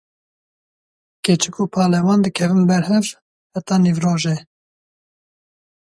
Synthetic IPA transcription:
ket͡ʃɨkuːpʰɑːlɛwɑːnd̪ɨkʰɛvɨnbɛɾɦɛv | hɛt̪ɑːnivroːʒe

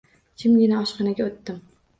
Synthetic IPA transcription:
t͡ʃʲʰɪmɡʲɪnaɒʃqɑnaɡʲaot̪ːɪm

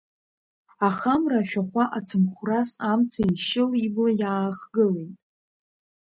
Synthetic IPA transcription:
aχamraʃᶣaχʷaʔat͡sʰɨmχʷrasamt͡sʰaiʃɪliblajaːχɡɨlejtʼ

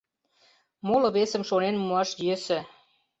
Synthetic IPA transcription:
molɤ̆βesə̆mʃonenmuɑʃjesĕ

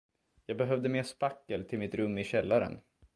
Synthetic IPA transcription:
jɑːɡbɛɦœvd̪əmeːʂpakːəlt̪ʰɪlmɪt̪ɾɵmːɪɕɛlːaɾə̰n

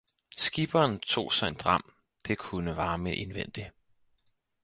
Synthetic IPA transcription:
sɡ̥ib̥ɐːnt͡sʰo̝̰ːsɒ̽e̝nd̥ʁɑ̈m̰ | d̥e̝kʰunəʋɑ̈ːmeʔenʋen̰d̥i

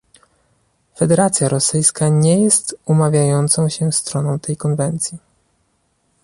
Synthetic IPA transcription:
fɛd̪ɛɾat̪sʲjaɾɔsɘjskaɲejɛst̪umavʲjajɔnt̪sɔ̃w̃ɕɛst̪ɾɔnɔ̃w̃t̪ɛjkɔnvɛnt̪sʲji

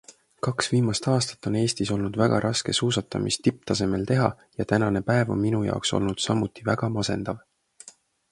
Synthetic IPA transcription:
kɑksviːmɑst̪ɑːst̪ɑ̥t̪ːˑo̞ne̞ːst̪iso̞lnud̪̥væɡ̥ɑ̰ɾʔɑske̞suːsɑt̪ːˑɑmist̪ip̚t̪ɑse̞me̞lt̪e̞ɦɑ̰ | jɑt̪ænɑne̞pæevo̞̰nminujɑ̰okso̞̰lnud̪̥sɑmut̪ːˑivæɡ̥ɑmɑse̞̰nd̪̥ɑv

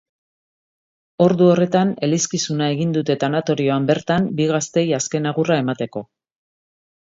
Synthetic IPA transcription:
o̞ɾðuo̞re̞t̪ane̞liskisunae̞ɣind̪ut̪e̞t̪anat̪o̞ɾio̞ambe̞ɾt̪ambiɣast̪e̞jaske̞naɣurae̞mat̪e̞ko̞

